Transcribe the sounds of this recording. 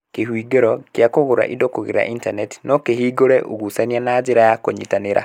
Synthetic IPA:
kehwiːɡeɾɔkjakoɣoɾa̰ʔidokoɣḛɾa̰ʔintanɛti̥nɔkehiːɡoɾɛʔuɣusanianaːd͡ʒeɾajakoɲḭtaneɾʔa̰

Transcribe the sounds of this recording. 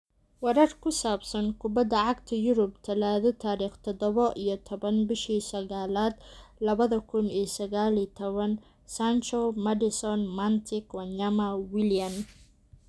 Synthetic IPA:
wɐɾɐrkʰʊsaːbsɐnkʰʊbɐd̪ɐʕɑɡt̪ʰɐjʊɾʊb̚t̪ʰɐlaːðɔt̪ʰaːɾiːχt̪ʰɔd̪ɔβɔʔijɞt̪ʰɔβɐnbɪʃiːsɐɣaːlaːd̪̥lɐβɐðɐkʰʊnijsɐɣaːlit̪ʰɔβɐn | sant͡ʃɔmɐdɪsɔnmɐnt̪ʰɪkwɑɲɐmɐwɪlijɐn

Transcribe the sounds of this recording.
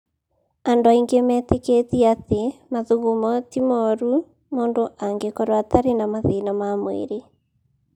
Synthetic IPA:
andoaiŋɡemɛːteketiatemaðuɣumɔtimɔɾu | moːndoʔaŋɡekɔɾwataɾenamaðenamamwḛɾe

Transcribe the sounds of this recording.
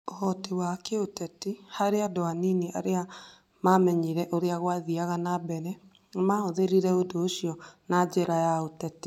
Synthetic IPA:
ohɔtewakeotɛtihaɾeadɔaniniʔa̰ɾea | mamɛɲiɾɛʔoɾeaɣwaðiaɣanabɛɾɛ | maoðeɾiɾɛodoːʃiɔnad͡ʒɛɾajaotɛti

